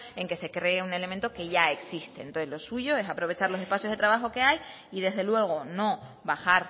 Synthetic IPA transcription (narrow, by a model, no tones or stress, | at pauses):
e̞ŋke̞se̞kɾe̞ːune̞le̞mẽnt̪o̞ke̞ʝae̞ksist̪ḛnt̪oθezlo̞suʝo̞e̞sapɾo̞β̞e̞t͡ʃaɾlo̞se̞spaθjo̞zðe̞t̪ɾaβaxo̞ke̞aj | iðe̞zðe̞lwe̞ɣ̞o̞no̞ | βaxaɾ